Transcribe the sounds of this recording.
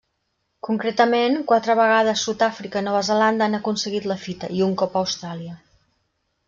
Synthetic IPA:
kuŋkɾet̪əmenkwat̪ɾəβəɣ̞aðəsːut̪afɾikəinɔβəzəland̪əanəkunsəɣit̪ləfit̪əʔiuŋkɔpəwst̪ɾaliə

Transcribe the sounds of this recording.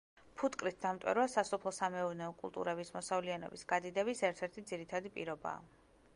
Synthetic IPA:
pʰut̪ʼkʼɾit̪̚ʰd̪amt̪ʼwɛ̰ɾvasasɔpʰlˠɔsamɛuɾnɛɔkʼulˠt̪ʼṵɾɛbismɔsavlianɔ̰bisɡ̥ad̪id̪ɛbisɛɾt̪ʰɛɾt̪ʰid̪ziɾit̪ʰad̪ipʼḭɾɔba̰ː

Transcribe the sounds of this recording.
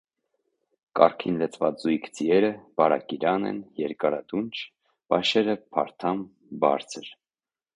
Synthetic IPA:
kɑ̰rkʰinlət͡sʰvɑt͡sujkʰd͡ziɛɾəbɑɾɑ̰kiɾɑnɛ̰njɛɾkɑɾɑd̪unt͡ʃʰ | vɑʃɛɾəpʰɑ̰ɾt̪ʰɑm | bɑ̰ɾt͡sʰəɾ

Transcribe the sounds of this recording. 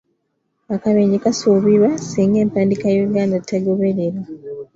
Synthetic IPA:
akaβeɲikasuːβiβasiːŋɡe̞ːmpaːndikajejuɡaːndatːaɡo̞βe̞ɾeɾa

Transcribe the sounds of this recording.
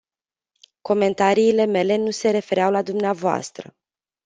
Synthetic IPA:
ko̞me̞nt̪aɾiːle̞me̞le̞nuse̞ɾe̞fe̞ɾeawlad̪umneavoa̰st̪ɾə̰

